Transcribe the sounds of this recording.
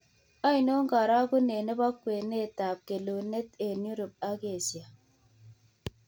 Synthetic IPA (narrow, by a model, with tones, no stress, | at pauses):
a˦i˨no˦ŋ̩˦ɡa˨ɾa˦ku˦ne˨ne˦ba˦kwe˨ne˦˨ta˨p̚ke˨lo˨ne˦te˨nu˦ɾo˨p̚a˦ke˦˨sja˨